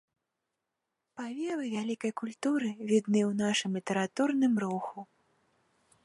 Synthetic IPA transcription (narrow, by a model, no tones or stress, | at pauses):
pavʲɛvɨvʲalʲikɐjkulʲt̪uɾɨvʲid̪nɨwnaʂɨmlʲit̪ɛɾat̪urnɨmɾuxu